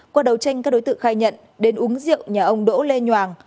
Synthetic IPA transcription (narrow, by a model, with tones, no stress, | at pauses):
kwaː˧ɗə˨˩wt͡ɕa˧jŋ̟ka˦˥k̚o˨˦jt̪ɨ̰˧˨xaː˧jɲə̰˧˨n | ɗe˨˦nʔu˨˦ŋzḭ˧˨əwɲaː˨˩ʔə˧wŋ͡mɗo̰˧˥le˧ɲwaː˨˩ŋ